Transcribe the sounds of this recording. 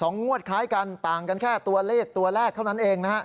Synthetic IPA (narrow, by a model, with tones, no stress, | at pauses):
sɔ˩˦ŋːu˥˩ət̪̚kʰaː˦˥jka˧nt̪aː˨˩ŋka˧nkʰɛː˥˩t̪u˧ɐleː˥˩k̚t̪u˧ɐlɛː˥˩kʰːa˥˩wna˦˥nʔeː˧ŋna˦˥hʰa˦˥ʔ